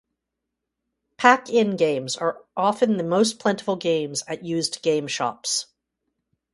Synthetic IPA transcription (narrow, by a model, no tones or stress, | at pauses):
pʰækɪ̃nɡẽɪ̃mzə˞ʔɑfɨ̃nðɨmoʊs̬pʰl̥ɛ̃ntə̥fl̩ˠɡẽɪ̃mzɨʔ̚jʉzɡ̥ẽɪ̃mʃɑ̰ps